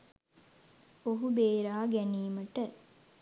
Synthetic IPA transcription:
oɦubeːɾaːɡæniːməʈə

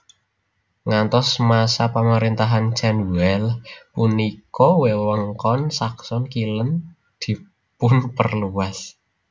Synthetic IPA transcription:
ŋant̪ɔsmasapaməɾint̪aɦant͡ʃɛnwɛlpunikɔwewəŋkɔnsaksɔnkilən | d̪̥i̤ | pʊnpərluwas

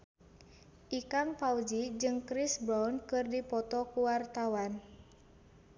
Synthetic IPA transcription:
ʔikanpaud͡ʒid͡ʒɨŋkɾisbɾawnkɨrdipɔt̪ɔkuwart̪awan

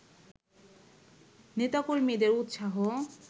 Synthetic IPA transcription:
net̪akolmid̪eɾut̪ʃaɦo

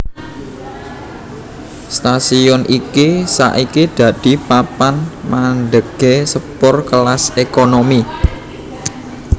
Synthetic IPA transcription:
st̪asiɔnʔikisa̰ʔikid̪̥ä̤d̪̥i̤papanmanɖ̪əɡ̥esəpʊrkəlasekonomi

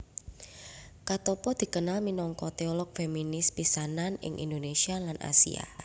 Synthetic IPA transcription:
kat̪ɔpɔd̪̥i̤kənalminɔŋkɔt̪eɔlɔk̚feminɪspisananɪ̰ŋʔḭnd̪onesialanʔa̰sḭa̰

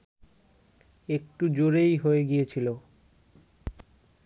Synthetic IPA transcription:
ek̚ʈud͡ʑoɾejɦoeɡijet͡ɕʰilo

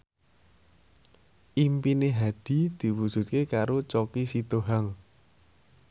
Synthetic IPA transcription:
ʔimpineɦaɖ̪̥i̤d̪̥i̤wud̥ʒ̥ṳt̪̚kekaɾot͡ʃɔkisit̪oɦaŋ

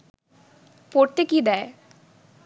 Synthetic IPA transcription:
poʈ̚t̪ekid̪ɛːe

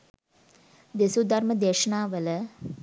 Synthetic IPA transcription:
d̪esud̪arməd̪eːʃənaːʋələ

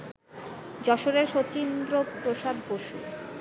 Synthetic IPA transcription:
d͡ʑɔʃoɾeɾʃot͡ɕind̪ɾopɾoʃad̪boʃṵ

